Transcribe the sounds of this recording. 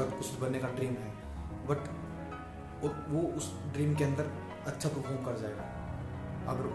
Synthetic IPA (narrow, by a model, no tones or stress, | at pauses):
əkʊt͡ʃʰbɐnːekaɖɾiːmɦɛː | bɐʈ | ʋoʊs | ɖɾiːmkeɐ̃nd̪əɾ | ɐtːʃʰapɾofʰoːɾmkɐɾd͡ʒaːeːɡaː | ɐ̰ɡəɾ